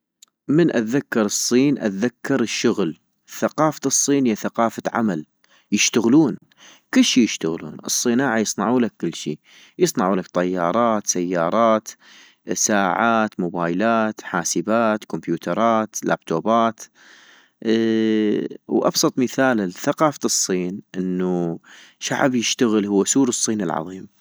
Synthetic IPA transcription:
mɪnʔat̪ðakːɑɾˤɨsˤːiːnʔa̰t̪ðakːɑɾɪʃːʊɣl | θaqɑːfasˤːiːnhjaθaqɑːfaʕa̰mal | jɪʃt̪aɣluːn | kɪlːʃiːjɪʃt̪aɣlṵːnʔɨ̰sˤːɨnaːʕajɨsˤnɑʕuːlakːɪlːʃḭː | jɨsˤnɑʕuːlakt̪ˤɑjːɑːɾˤɑːt̪sajːɑːɾˤɑːt̪ | saːʕaːt̪mʊbaːjlaːt̪ħaːsəbaːt̪kʊmpjuːt̪ɑɾˤɑːt̪la̰ːbt̪oːbaːt̪ | wʔɑ̰bsˤɑt̪ˤməθaːlθaqɑːfasˤːiːnʔɪnːuʃa̰ʕbjɪʃt̪aɣɪlhʊwːasuːɾɨsˤːiːnɪlʕɑ̰ðˤiːm

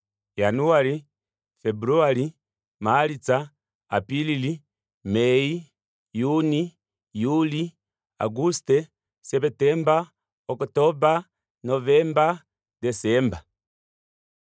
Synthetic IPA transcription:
januali | fɛbuɾuali | malit͡saː | pilili | mɛi | juni | juli | a̰ɡustɛ | sɛpɛtɛmba | okutoba | novɛmba | dɛsɛmba

